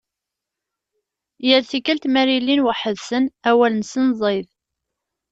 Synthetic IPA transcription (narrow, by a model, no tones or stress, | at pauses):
jəɾθikːəlt̪mæɾilːinwaħəðsənæwælənsənzˤeð